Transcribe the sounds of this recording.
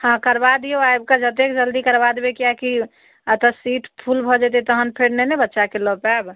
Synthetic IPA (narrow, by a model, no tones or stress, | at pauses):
hãkəɾbad̪ioajb̚kad͡ʒət̪ekd͡ʒəld̪ikəɾbad̪ebekijaki | ət̪əsit̪ʰpʰulbʱɔd͡ʒɛt̪̬et̪ɔɦənpʰeɽnenebətːʃakelɔpeab